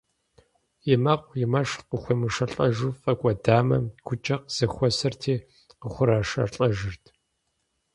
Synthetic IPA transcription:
jɪmɐqʷjɪmɐʂqʊxʷɔmɨʂɐɬʼɐʒʊfɐkʷʼɔdaːmɐɡʷʰʊt͡ʃʼɐqz̥ɐxʷɔsɐrtʰiː | qəχʷʊɾaːʂɐ̰rɬʼɐʒɨrtʰ

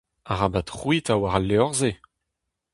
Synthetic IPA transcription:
aʁabat̪ʁwitawaʁalːeɔʁze

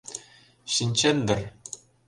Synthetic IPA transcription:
ɕinʲt͡ɕenʲd̪ɘ̆rʲ

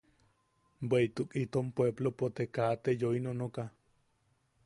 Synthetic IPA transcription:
bweit̪ukʼit̪ompweblopot̪ekat̪ejoinonoka

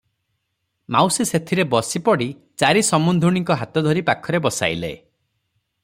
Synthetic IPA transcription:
mawsiset̪ʰiɾebɔsipɔɽi | t͡ʃaɾisɔmund̪ʱuɽ̃iŋkɔɦat̪ɔd̪ʱɔɾipakʰɔɾebɔsa̰jlḛ

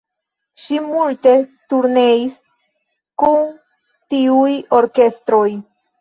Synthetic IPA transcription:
ʃimulte̞tuɾne̞is | kun | tiujo̞ɾke̞stɾo̞j

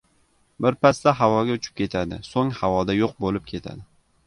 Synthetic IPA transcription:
bɪɾpast̪aɦawɒɡʲaʊt͡ʃʰɪ̥p̚kʲʰe̞t̪ʰad̪ɪ̰soŋhavɒd̪ajoq̚bolɪp̚kʲʰe̞t̪ʰa̰d̪ɪ

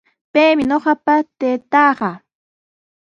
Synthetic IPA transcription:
pejmɪɲoɢɑpat̪eːt̪ɑːɢɑ

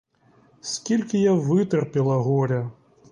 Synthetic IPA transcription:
sʲkʲilʲkʲijavɨt̪ɛrpʲilˠɐɣɔɾʲɐ

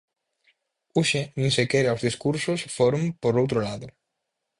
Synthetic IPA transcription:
uʃenĩnsekeɾawzðiskuɾsʊsfoɾõmpoɾowt̪ɾolaðʊ

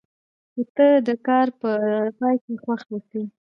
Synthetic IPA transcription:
ot̪əd̪əkɑɾpəpɑjkexwaxnəsə

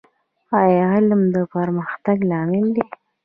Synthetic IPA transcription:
ɑjɦaləmd̪əpəɾməxt̪aɡlɑmɪld̪e

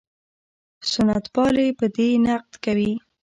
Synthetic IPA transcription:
sʊnat̪wɑlepəd̪enaq̚d̪kawi

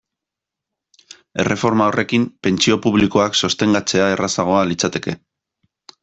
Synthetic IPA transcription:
e̞̰rʔe̞fo̞ɾmaorʔe̞kimpe̞nt͡sio̞puβ̞liko̞akso̞st̪e̞ŋɡat͡se̞ae̞rasaɣ̞o̞alit͡sat̪e̞ke̞

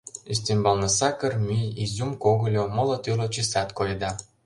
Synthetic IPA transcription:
ist̪embɑlnɤ̆sɑkərmʲyjizʲumkoɣɤ̆lʲomɤ̆lˠɤ̆t̪ylŏt͡ɕisæt̪kojd̪ɑ

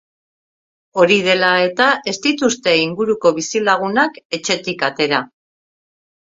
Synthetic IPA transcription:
o̞ɾið̞e̞lae̞t̪aʔe̞st̪it̪ust̪e̞iŋɡuɾuko̞βisilaɣ̞unake̞t͡ʃe̞t̪ikat̪e̞ɾa

